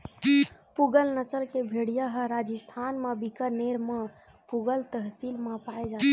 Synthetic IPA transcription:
puɡəlnəsəlkebʱeɽijaɦəɾad͡ʒəst̪ʰanmebikəɾneɾme | puɡəlt̪əɦsilmepaed͡ʒat̪

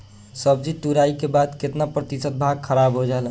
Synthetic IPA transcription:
səb̚d͡ʒiʈuɾaikebad̪ket̪napɾət̪isət̪̚bʱaɡ̚kʰəɾabɦod͡ʒalə

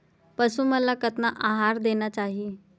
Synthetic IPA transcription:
pəsũːməlakət̪naʔaɦaɾd̪enjat͡ɕaɦi

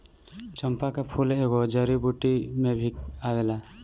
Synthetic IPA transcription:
t͡ʃəmpakapʰuleːɡɔd͡ʒəɾibuʈimebʱikawela

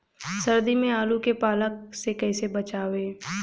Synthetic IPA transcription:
sɐɾd̪imẽaːlukepaːlək̚sekɛːsebɐt͡ʃaːʋeː

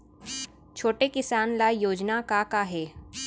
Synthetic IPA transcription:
t͡ʃʰoːʈekɪsaːnlajoːd͡ʒnakakaɦɛː

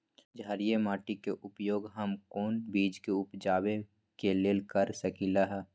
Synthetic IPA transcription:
d͡ʒʱaːɾijemaːʈikeʔʊpjoːɡɦəmkoːnbiːd͡ʒkeʊpd͡ʒaːwe | keleːlkəɾsɐkiːlaɦɛː

